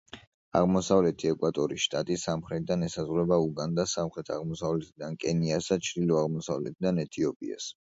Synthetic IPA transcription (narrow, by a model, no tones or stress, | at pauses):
a̰ʁmɔsavlɛt̪ʰiɛkʼwat̪ʼɔɾisʃt̪ʼat̪ʼisamχɾɛt̪ʰid̪anɛsazʁuɾɛbauɡand̪asamχɾɛt̪ʰaʁmɔsavlɛt̪ʰid̪ankʼɛniasd̪at͡ʃʰd̪ilɔaʁmɔsavlɛ̰t̪ʰid̪anɛt̪ʰiɔpʼḭa̰s